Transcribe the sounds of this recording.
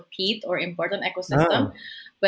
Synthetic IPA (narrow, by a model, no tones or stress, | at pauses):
hiːt̪ɔɹɪ̃mpɔɹt̪ə̃nt̪ɛkosɪstə̃mbʌ